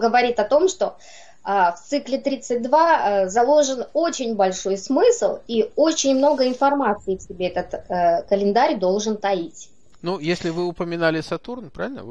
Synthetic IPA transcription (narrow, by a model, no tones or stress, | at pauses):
ɡəvɐɾʲit̪ɐt̪o̞mʂt̪o̞ | əft̪sɨklʲɪt̪ɾʲit̪sɨt̚ʲd̪vazɐlˠo̞ʐɨno̞t͡ɕɪnʲbɐlʲʂo̞jsmɨslˠiot͡ɕɪnʲmno̞ɡəɪnfɐrmat̪sɨɪfsʲɪbʲe̞ɛt̪ət̪əkəlʲɪnd̪aɾʲd̪o̞lˠʐɨnt̪ɐitʲ | nujesʲlʲɪvɨʊpəmʲɪnalʲɪsɐt̪urnpɾa̰vʲɪlʲnə̰